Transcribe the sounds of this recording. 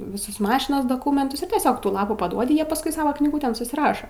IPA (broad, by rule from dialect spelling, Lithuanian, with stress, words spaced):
ʋʲɪˈsʊs ˈmɑːʃʲɪnoːs doːˈkuːmʲɛntʊs ɪr tʲiɛˈsʲoːk ˈtuː ˈlˠɑːpuː pɐˈduɔdʲɪ ˈjiɛ pɐsˈkʊɪ ˈsɑːʋɐ knʲiːˈɡʊtʲeːn sʊsʲɪˈrɑːʃɐ